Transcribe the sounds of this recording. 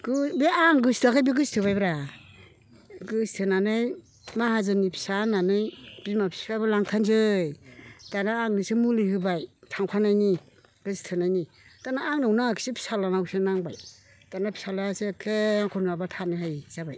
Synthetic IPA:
ɡɯbiaŋɡɯstʰɯkʰajbiɡɯstʰɯbajbɾa | ɡɯstʰɯnanɯj | maɦazɯnipʰi̥sananɯjb̥imapʰi̥spʰajbalaŋtʰanzɯjtanaːŋnɯsɯmulihɯbajtʰaŋpʰanajni | ɡ̥ɯstʰɯnajni | tanaaŋnɯwnaksipʰi̥salanawsɯnaŋbaj | tanapʰi̥salasɯkʰeaŋkʰɔnabatʰanɯhajzabaj

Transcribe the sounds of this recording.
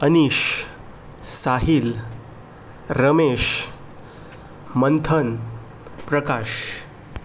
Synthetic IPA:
əniɕ | saɦil | ɾəmeɕ | mənt̪ʰən | pɾəkaɕ

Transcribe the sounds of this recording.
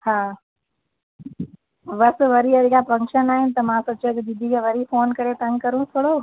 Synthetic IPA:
hãː | ʋɐsʋɐɾiɐdkafɐ̃ŋkʃənaːɦɪnɪ̆t̪ɐmãsɐt͡ʃõkid͡ʒɪd̪ʱikʰeʋɐɾifoːnkɐɾet̪ɐ̃ŋɡkɐɾũt̪ʰoːɽoː

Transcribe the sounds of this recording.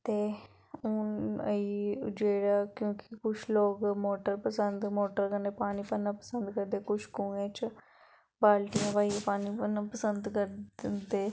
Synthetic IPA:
t̪eː | ʊnəiːd͡ʒeːɽaːkjõːkɪkʊt͡ʃʰloːkmoːʈəɾpəsənd̪moːʈəɾkəneːpaːniːpənːãːpəsə̃nd̪kəɾd̪eːkʊt͡ʃʰkũːẽːt͡ʃ | baːlʈiãːʋaːiãpaːniːpənːãːpəsənd̪kəɾd̪eː

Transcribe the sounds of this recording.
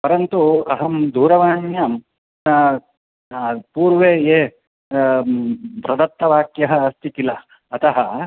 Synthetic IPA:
pɐɾɐnt̪uɐɦɐmd̪ʱuːɾɐʋaːnjɐm | puːɾʋeːjeː | pɾɐd̪ɐt̪ːɐʋaːkjɐɦɐ̆ːst̪ʰikilɐː | t̪ɐɦɐ

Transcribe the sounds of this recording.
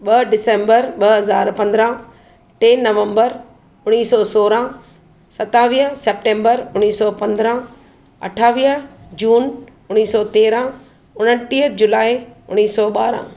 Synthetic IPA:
ɓɐɖɪsẽːmbəɾɓɐɦɐzaːɾpɐ̃nd̪ɾã | ʈeːnɐʋə̃mbəɾ | ʊñiːsɔsoːɾã | sɐt̪aːʋiːɦəsep̚ʈẽːmbəɾʊniːsɔpɐ̃nd̪ɾã | ɐ̰ʈʰaːʋiːəd͡ʑuːn | ʊñiːsɔːt̪eːɾã | ʊnəʈiːɦəd͡ʑʊlaːiʊɽ̃iːsɔːɓaːɾã̰

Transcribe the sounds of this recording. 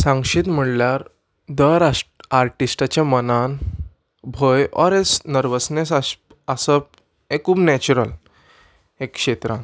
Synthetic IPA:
sãŋɡʂiːt̪m̤əɽljaɾ | d̪əɾaaɾʈisʈat͡ɕjãmənan | bʱəjɔɾesnəɾʋəsnesa | asəp̚ | ekːuːbnɛt͡ɕuɾəl | ekːʂet̪ɾãn

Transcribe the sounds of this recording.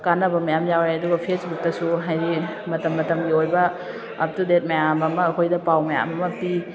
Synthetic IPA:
kanɐbɐmɐjamjawɾeɐduɡɐpʰesbuk̚tɐsuɦajɾimɐtɐmːɐtɐmɡiojbɐ̰ː | p̚tudet̚mɐjamɐmɐːkʰojdɐpawmɐja̰mɐmɐpi

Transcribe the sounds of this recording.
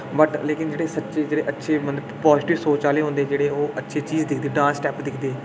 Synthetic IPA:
bəʈleːkɪnd͡ʒeːɽeːsətːʃeːd͡ʒeːɽeːʔətːʃʰeːmənəpɔːzɪʈɪʋsoːt͡ʃaːleːɦõːnd̪eːd͡ʒeːɽeːoːətːʃʰeːt͡ʃiːzd̪ɪkʰd̪eːɖãːnsʈɛːpd̪ɪkʰd̪eː

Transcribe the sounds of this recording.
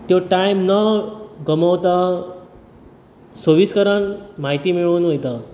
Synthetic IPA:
t̪joʈajmnəɡəməwt̪a | səʋiskəɾənmaɦit̪iːmiɭuːnʋojt̪a

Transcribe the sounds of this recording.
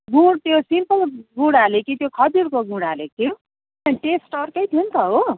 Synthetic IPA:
ɡũɽt̪josimpʌlɡũɽalekit̪jokʰʌd͡ziɾkoɡũɽalek̚i | aʈesʈʌrkʌjt̪ʰjiunt̪ʰʌɦo

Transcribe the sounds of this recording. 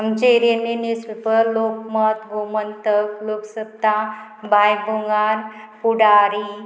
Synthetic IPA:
əmt͡ʃeɾenenispəɾloːkmət̪ɡʱumənt̪əkloksəb̚t̪abʱaːjbuŋɡanpuɽaːɾi

